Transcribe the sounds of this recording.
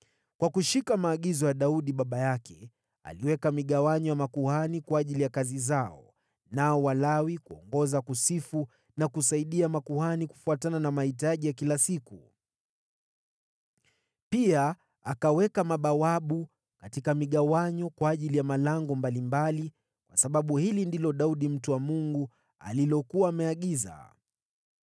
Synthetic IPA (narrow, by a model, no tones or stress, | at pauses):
kwakuʃikamaːɠizɔjaɗauɗiɓaɓajakʰɛ | a̰liwɛkamiɠawaɲɔjamakuhanikwaːʄilijakazizaɔ | naɔwalawikuɔ̰ŋɡɔzakusifu | nakusaiɗiamakuhaniku̥fuatananamahitaʄijakilasiku | pia | akawɛkamaɓawaɓu | katikamiɠawaɲɔkwaːʄilijamalaŋɡɔmbalimbali | kwasaɓaɓuhilindilɔɗauɗim̩tuwamuŋɡu | a̰lilɔkuwaːmɛaɠiza̰